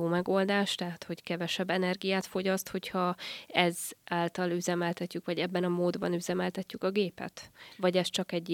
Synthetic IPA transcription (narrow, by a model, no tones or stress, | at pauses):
oːmɛɡo̞ld̪aːʃt̪ɛɦat̪ho̞ckɛvɛʃɛbːɛnɛrɡijaːt̪fo̞ɟɒst̪ho̞chɒɛzʔaːlt̪ɒlyzɛmɛlt̪ɛcːykʋɒɟɛbːɛnɒmoːd̪bɒ̰nyzɛmɛlt̪ɛcːykɒɡeːpɛ̰t̪vɒɟɛst͡ʃɒkɛɟː